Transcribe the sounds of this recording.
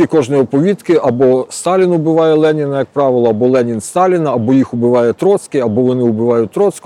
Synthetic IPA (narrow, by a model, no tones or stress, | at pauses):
ikɔʒniɔpɔʋʲit̪kɪʔɐbɔst̪ɑlʲinʊbɪʋɑjɛlˠɛnʲɪnɐjɐk̚pɾɑʋɪlˠɔɐbɔlˠɛnʲinst̪ɑlʲɪnɐːbɔjixʊbɪʋɑjɛt̪ɾɔt̪skɪɐbɔʋɔnɪʊbɪʋɑjʊt̪ɾɔt̪sk